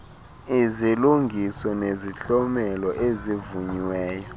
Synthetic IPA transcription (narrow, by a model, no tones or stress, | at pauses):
iziluŋɡʱisɔneziɬɔmɛlɔʔezivuɲiwɛːjɔ